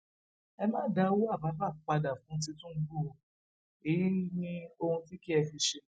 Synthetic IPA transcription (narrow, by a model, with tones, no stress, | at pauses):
ɛ˧mãː˦da˦wo˦a˦˨ba˨˦ba˦˨k͡pa˧da˨fũ˨˦t̬ĩ˧tũ˦˧ɡ͡bo˦˨ | e˨ji˦nĩ˧o˧hũ˧ti˦ki˦ɛ˧fi˧ʃe˧